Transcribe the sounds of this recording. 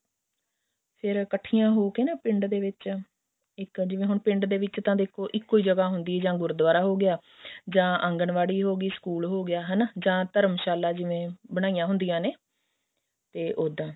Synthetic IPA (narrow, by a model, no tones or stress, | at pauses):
pʰɪɾkəʈʰːiːjãːɦoːkeːnãːpɪ̃ɳɖd̪eːʋɪt͡ʃ | ɪkd͡ʒɪʋẽːɦʊɳpɪ̃ɳɖd̪eːʋɪt͡ʃt̪ãːd̪eːkʰoːʔɪkːoːiːd͡ʒəɡaːɦʊnd̪iːd͡ʒãːɡʊɾd̪ʋaːɾaːɦoːɡɪjaː | d͡ʒãːʔə̃ŋɡənʋaːɽiːɦoːɡiːsə̥kuːlɦoːɡɪjaːɦənd͡ʒãːt̪əɾəmʃaːlaːd͡ʒɪʋẽːbəɽ̃aːijãːɦʊnd̪ijãːneː | t̪eːʔoːd̪ãː